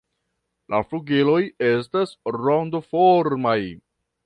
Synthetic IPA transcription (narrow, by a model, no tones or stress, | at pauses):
lʔa̰fluɡilo̞je̞s̬tasɾondofoɾmaj